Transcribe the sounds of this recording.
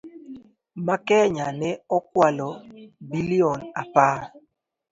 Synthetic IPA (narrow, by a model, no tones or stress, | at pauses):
makɛɲanɛɔk̚walɔbiliɔnapa